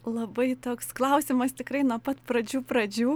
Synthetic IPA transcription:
lˠɐbɐɪt̪oːksklˠɐʊsʲɪmɐst̪ʲɪkɾɐɪnuɔpɐt̪pɾɐd͡ʒʲuːpɾɐd͡ʒʲuː

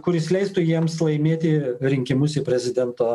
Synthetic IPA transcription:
kʊɾɪsʲlʲɛɪst̪ʊjiɛmslˠɐɪmʲeːt̪ʲɪɾʲɪŋʲkʲɪmʊsɪpʲɾʲɛzʲɪd̪ʲɛnt̪oː

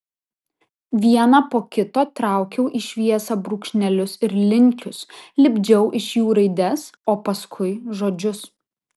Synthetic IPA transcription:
ʋʲiɛnɑpoːkʲɪt̪oːt̪ɾɑˑʊkʲɛʊʔiʃʲʋʲiɛsɐbɾuːkʃʲnʲɛlʲʊsɪɾlʲɪŋʲkʲʊslʲɪbʲd͡ʒʲɛʊʔɪʃjuːɾɐɪd̪ʲɛsoːpɐskʰʊɪʒoːd͡ʒʲʊs

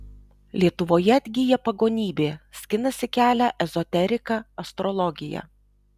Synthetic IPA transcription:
lʲiɛt̪ʊʋoːjɛɐd̪ʲɡʲijɛpɐɡoːnʲiːbʲeːsʲkʲɪnɐsʲɪkʲæːlʲæʔɛzɔt̪ʲɛɾʲɪkɑɐst̪ɾɔlˠɔɡʲɪjæ̰

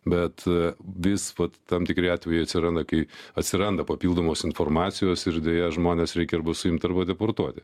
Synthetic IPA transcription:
bʲɛt̪ʋʲɪsʋɐt̪tɐmt̪ʲɪkɾʲɪɑːt̪ʲʋʲɛjɪɐt̪sʲɪɾɐnd̪ɐkɐɪɐt̪ʲsʲɪɾɐnd̪ɐpɐpʲilˠd̪oːmoːsɪnformɑːt̪sʲɪjoːsɪɾd̪ʲeːjɛʒmoːnʲeːsɾʲɛɪkʲɪɾbɐsʊjɪmt̪ɐɾbɐd̪ʲɛport̪uɔt̪ʲɪ

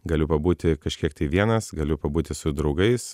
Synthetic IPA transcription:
ɡɐlʲʊpɐbuːt̪ʲɪkɐʃʲkʲiɛk̚t̪ɐɪʋʲiɛnɐsɡɐlʲʊpɐbuːt̪ʲɪsʊd̪ɾɒʊɡɐɪs

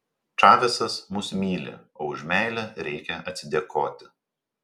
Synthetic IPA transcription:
t͡ʃɑːʋʲɛsɐsmʊsmʲiːlʲḛoːʊʒʲmʲæˑɪlʲɛɾʲɛɪkʲɛɐt̪ʲsʲɪd̪ʲeɛkʰoːt̪ʲɪ̥

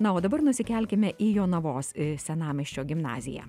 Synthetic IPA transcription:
nɐoːd̪ɐbɐɾnʊsʲɪkʲɛlʲkʲɪmʲɛʔiːjoːnɐʋoːssʲɛnɑːmʲɪʃʲt͡ʃʲoːɡʲɪmnɑ̰ːzʲɪjæ̰ː

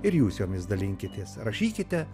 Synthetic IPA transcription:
ɪɾjuːsjoːmʲɪsd̪ɐlʲɪŋʲkʲɪt̪ʲeːsɾɐʃʲiːkʲɪt̪ʲɛ

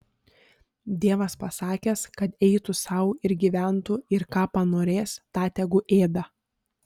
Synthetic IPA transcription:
d̪ʲeɛʋɐspɐsɑːkʲeskɐt̪ɛɪt̪ʊsɐʊɪɾɡʲiːʋʲæˑnt̪ʊɪɾkɑːpɐnoːɾʲeːst̪ɑːt̪ʲɛɡʊʔeːd̪ɐ

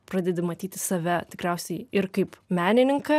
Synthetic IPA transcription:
pɾɐd̪ʲɛd̪ʲɪmɐt̪ʲiːt̪ʲɪsɐʋʲɛt̪ʲɪkɾʲɛˑʊsʲɛɪɪɾkɐɪpmʲæːnʲɪnʲɪŋkɐ

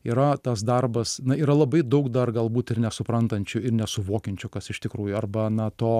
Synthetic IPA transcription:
iːɾɐt̪ɐsd̪ɐrbɐsnɐiːɾɐlˠɐbɐɪd̪ɐʊkd̪ɐrɡɐlˠbuːt̪ɪrnʲɛsʊpɾɐnt̪ɐnʲt͡ʃʲʊɪrnʲɛsʊʋoːkʲɛnʲt͡ʃʲʊkɐsɪʃt̪ʲɪkɾuːjʊɐrbɐnɐt̪oː

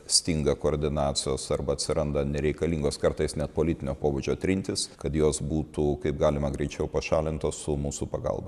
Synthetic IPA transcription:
sʲt̪ʲɪŋɡɐkoːɾʲd̪ʲɪnɑːt̪sʲɪjoːsɐrbɐɐt̪ʲsʲɪɾʔɐnd̪ɐnʲɛɾʲɛɪkɐlʲiːŋɡoːskɐɾt̪ɐɪsnʲɛt̪̚poːlʲɪt̪ʲɪnʲoːpoːʋuːd͡ʒʲoːt̪ʲɾʲɪnʲt̪ʲɪskɐt̪joːsbuːt̪uːkɐɪp̚ɡɑːlʲɪmɐɡɾʲɛɪt͡ʃʲɛʊpɐʃɑːlʲɪnt̪oːssʊmuːsupɐɡɐ̰lˠbɐ

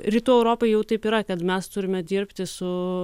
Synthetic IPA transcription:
ɾʲiːt̪uːɛʊɾoːpɐɪjɛʊt̪ɐɪpiːɾɐkɐt̪mʲɛst̪ʊɾʲɪmʲɛd̪ʲiɾʲpʲt̪ʲɪsʊ

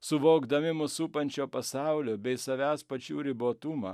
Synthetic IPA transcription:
sʊʋoːɡd̪ɐmʲɪmʊsuːpɐnʲt͡ʃʲoːpɐsɑˑʊlʲobʲɛɪsɐʋʲæːspɐt͡ʃʲuːɾʲɪboːt̪ʊmɐ

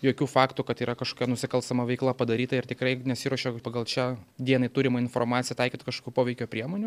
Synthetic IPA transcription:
joːkʲuːfɑːkt̪ʊkɐt̪iːɾɐkɐʃkoːkʲɛnʊsʲɪkɐlˠst̪ɐmɐʋʲɛɪklˠɐpɐd̪ɐɾʲiːt̪ɐɪrt̪ʲɪkɾɐɪnʲɛsʲɪɾoɔʃʲoːpɐɡɐlˠt͡ʃʲɛd̪ʲiɛnɐɪt̪uːɾʲɪmɐɪnfo̰ːrmɑːt̪sʲɪjɛt̪ɐɪkʲit̪ɐkɐʃkoːkʲuːpoːʋʲɛɪkʲoːpʲɾʲiɛmoːnʲʊ

